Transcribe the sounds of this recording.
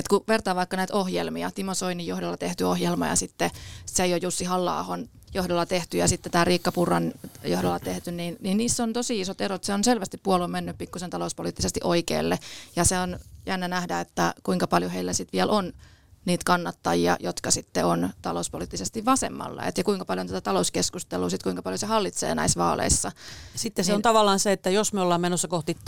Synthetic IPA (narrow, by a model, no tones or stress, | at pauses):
et̪kuʋert̪ɑːʋɑikːɑnæit̪ohjelmiɑt̪imosoinijjohdolːɑt̪eht̪yohjelmɑ̰jɑ̰sit̪ːeseijojjusːihɑlːɑ̰ːhon | johdolːɑt̪eht̪yjɑsit̪ːet̪æːriːkːɑpurɑnjohdolːɑt̪eht̪ynniːnninniːsːont̪osiisot̪erot̪seonselʋæst̪ippuolommenːyppikːusent̪ɑlouspoliːt̪ːisest̪iʔoikḛːlːejɑseonjænːænæhdæet̪ːækuiŋkɑpɑljoheilːæsit̪ʋiælʔonniːt̪kɑnːɑt̪ːɑjiɑ̰jot̪kɑsit̪ːeont̪ɑlouspoliˑːt̪ːisest̪iʋʋɑsḛmːɑ̰lːɑ̰ḛt̪jɑkuiŋkɑpɑljont̪æt̪æt̪ɑlouskeskust̪eluːsit̪kuiŋkɑpɑljosehɑlːit̪sḛːnæ̰isʋɑ̰ːlḛisːɑsit̪ːeseont̪ɑʋɑlːˑɑːnseet̪ːæjosmyolːɑːmmenosːɑkoht̪it